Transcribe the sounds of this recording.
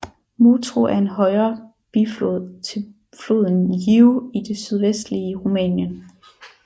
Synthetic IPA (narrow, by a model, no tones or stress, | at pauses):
muːt͡sʰʁoʔæɐe̝nɦɒ̽ɪɐː | b̥it͡sʰe | flo̝ðˠn̩jiʊid̥e̝syð̞ˠʋesd̥liəʁumɛ̰ːnjən